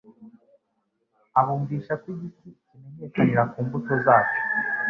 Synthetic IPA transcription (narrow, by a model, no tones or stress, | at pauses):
aβuːmviːʃakwiɟiticime̞ɲe̞ːkaniɾakuːmbuto̞zaːt͡ʃo̥